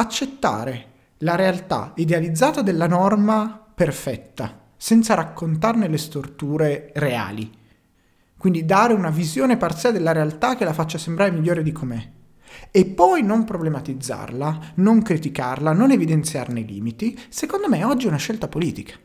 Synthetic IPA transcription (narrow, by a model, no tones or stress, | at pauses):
at͡ʃːet̪ːa̰ːɾe | laɾealt̪a̰id̪ealid̪zːaːt̪ad̪elːanɔrmaperfɛt̪ːa̰ | sɛnt̪saɾakʰːont̪arnelest̪ort̪uːɾeɾea̰ːlḭ | kwind̪id̪aːɾeunavizjoːnepart̪siːad̪elːaɾealt̪ak̟ːelafat͡ʃːasembɾaɾemiʎːoːɾed̪ikʰomɛ | epːɔjnompɾoblemat̪id̪zːa̰rlanoŋkɾit̪ika̰rlanonevid̪ent̪sja̰rnelḭːmit̪isekond̪omeɛɔd͡ʒːiunaʃːɛlt̪apoliːt̪ikḁ